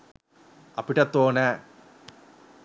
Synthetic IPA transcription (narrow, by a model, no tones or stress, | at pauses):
ɐpiʈːɐt̪ːoːnɐ